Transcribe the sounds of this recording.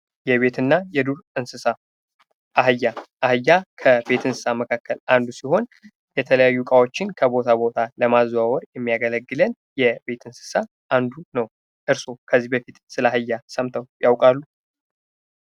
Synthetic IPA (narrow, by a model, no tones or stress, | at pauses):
jɛβe̞t̪ɨnːajɛd̪uɾɨnsɨsa | ʔaɦɨjːaʔːhɨjːakʰəbe̞t̪ʰɨnsɨ̥saməkʰakːəland̪usiho̞n | jɛt̪ʰələjajːukʼawo̞t͡ʃːɪnkʰəbo̞t̪ʰabo̞t̪ʰaləmazawɔɾjɛmːijaɡələɡːɨlən | jɛbe̞t̪ʰɨnsɨ̥sa | ʔand̪unəw | ʔɨɾso̞kʰəzːibəfit̪sɨlaɦɨjːasəmt̪ʰəwjawkʼalːu